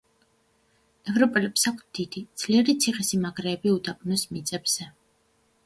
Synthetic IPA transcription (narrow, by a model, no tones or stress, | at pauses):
ɛvɾɔpʼɛlɛpsakʷʰs̚d̪id̪id̪z̥liɛɾit̪sʰiχɛsimaɡɾɛːbiud̪apʼnɔsmit̪sʼɛbz̥ɛ